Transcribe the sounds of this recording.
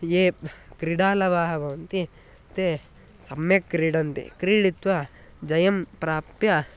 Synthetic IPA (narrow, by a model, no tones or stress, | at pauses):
jeːpkɾiɽaːlɐʋaːɦɐʋɐʋɐnt̪i | t̪e | sɐmjekːɾiːɽɐnt̪ḭkɾiːɽit̪ʋɐ | d͡ʒɐjɐmpɾaːpjɐ